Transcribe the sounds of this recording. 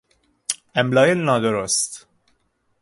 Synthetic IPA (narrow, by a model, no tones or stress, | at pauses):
æmlɒːjenɒːd̪oɾost̪